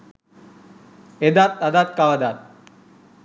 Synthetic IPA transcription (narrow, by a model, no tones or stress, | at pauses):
ed̪at̪ːɐd̪aːt̪̚kaʋɐd̪at̪̚